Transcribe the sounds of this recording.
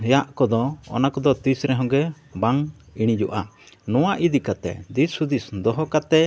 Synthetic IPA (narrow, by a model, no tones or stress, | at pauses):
jaʔkɔd̪ɔɔ̰nakɔd̪ɔt̪isɾɛɦɔ̃ɡɛ | baŋiɽ̃id͡ʒɔʔa | nɔw̃aʔid̪ikat̪ɛ̰d̪isud̪isd̪ɔɦɔkat̪ɛ